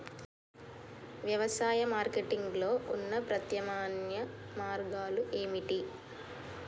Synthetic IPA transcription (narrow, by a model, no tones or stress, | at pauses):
ʋjɐʋɐsaːjɐmaːɾkeʈiŋɡlo̞ːʔunːɐpɾɐt̪jɐmaːnjɐ | maːɾɡaːluʔe̞ːmiʈi